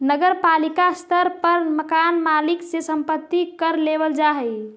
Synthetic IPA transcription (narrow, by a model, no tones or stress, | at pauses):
nəɡəɾpalikast̪ʰəɾpəɾməkanmaliksesəmpət̪ːikəɾlebəld͡ʒaɦɛj